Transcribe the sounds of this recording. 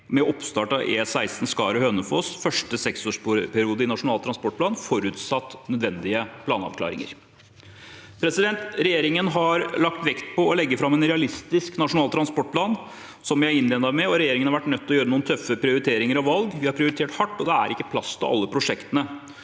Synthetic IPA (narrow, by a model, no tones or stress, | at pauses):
mɛʔɔpst̪ɑːʈɑʔeːsæɪst̪n̩skɑ̰ːɾəhøːnəfoːsfœʂʈəsɛksoːʂpʰæɾɪuːd̪əɪnɑʂʊnɑːlt̪ʰɾɑnspɔʈ̚plɑːnfɔɾʉːt̪sɑt̪ːnœd̪ʋɛnd̪ɪəpʰlɑːnɑ̰ʋkʰlɑ̰ːɾɪ̰ŋə̰ɾ | pʰɾɛsɪd̪ɛnt̪ɾɛjeːɾɪŋənɦɑɾlɑk̚t̪ʋɛkt̪pɔɔlɛɡːəfɾɑmːɛnɾɛɑlɪst̪ɪsknɑʂʊnɑːlt̪ʰɾɑnspɔʈ̚pʰlɑːn | sɔmʋjæɪæɾɪnleːnɑʋmɛɔɾɛjeːɾɪŋənhɑɾʋæʈːnœt̪ːɔjøːɾənuːnt̪ʰœfːəpʰɾɪʊɾɪt̪ʰeːɾɪŋəɾɑʋʋɑlɡʋɪhɑɾpʰɾɪʊɾɪt̪ʰeːʈhɑʈːɔd̪ɛæ̰ɾɪkːəpʰlɑst̪ʰɔʔɑ̰lːəpʰɾʊʂɛkt̪ənə